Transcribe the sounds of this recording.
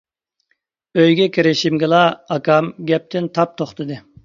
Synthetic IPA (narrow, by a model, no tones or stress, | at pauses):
øjɡʲɛkʰʲiɾɪʃimɡʲɪlˠɑɑkʰɑmɡʲɛp̚t̪ʰɪnt̪ʰɑp̚t̪ʰoχt̪ʰɨd̪ɨ